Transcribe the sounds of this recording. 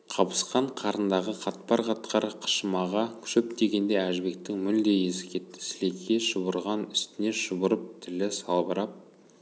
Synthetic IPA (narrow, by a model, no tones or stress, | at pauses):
qʰɑpə̥sqɑɴqʰɑɾənd̪ɑʁəqʰɑt̪pɑɾqʰɑt̪qʰɑɾəqʰə̥ʃəmɑʁɑkʲʰʏ̥ʃɵp̚t̪e̞ɡʲe̞nd̪e̞æʒbe̞k̚t̪ɪŋmʏld̪e̞je̞sɪ̥kʲʰe̞t̪ːɪ̥sɪle̞kʲʰːe̞ʃəbəɾʁɑnʏst̪ɪne̞ʃəbʊɾəp̚t̪ʰɪlɪsɑlˠbəɾɑp̚